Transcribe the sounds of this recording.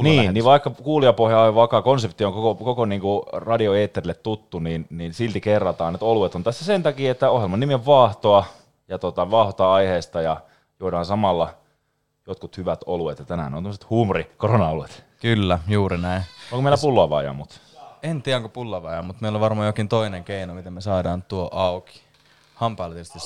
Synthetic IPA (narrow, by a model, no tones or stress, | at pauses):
niːniʋɑikːɑkuːliɑpohjɑoʋʋɑkːɑkonsept̪ioŋkokokokoniːŋkurɑdioeːt̪ːerilːet̪t̪ut̪ːuniːnniːnsilt̪ikerːɑt̪ɑːnet̪oluet̪ont̪æsːæsent̪ɑkiːet̪ːæohjelmɑnːimieʋʋɑːht̪oɑ | jɑt̪ot̪ɑʋɑˑːht̪oɑɑiheːst̪ɑjɑ | joodɑːnsɑmɑlːɑ | jot̪kut̪hyʋæt̪oluet̪jɑt̪ænæ̰neont̪æmːəse̥t̪huːmorikoronɑoluet̪ | kylːæjuːɾinæinoŋkomeilæpulːɑʋɑ̰ˑjɑ̰mut̪ent̪iæŋkopulːɑʋɑjɑmut̪meiloʋʋɑrmɑːjokint̪oineŋkeinomit̪emesɑːdɑːntt̪uoʔɑuki̥ | hɑmpɑˑilɑt̪eˑɾyst̪is